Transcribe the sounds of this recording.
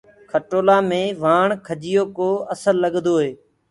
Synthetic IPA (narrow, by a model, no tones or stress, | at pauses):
kʰəʈoːlaːmẽːʋaːɳkʰəd͡ʒɪjoːkoːəsəlːəɠ̪d̪oːɦeː